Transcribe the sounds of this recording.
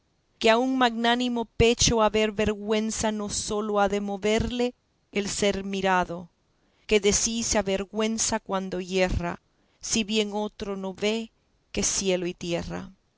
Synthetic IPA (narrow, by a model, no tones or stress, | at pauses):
keauŋmaɣnanimope̞t͡ʃoaβe̞ɾβe̞ɾɣwe̞nsano̞so̞loaðe̞mo̞βe̞ɾle̞ː | lse̞ɾmiɾaðo̞ | ke̞ðe̞siseaβe̞ɾɣwe̞nsakwand̪o̞je̞ra̰ | siβje̞ŋo̞t̪ɾo̞no̞βe̞ | ke̞sje̞loit̪je̞ra̰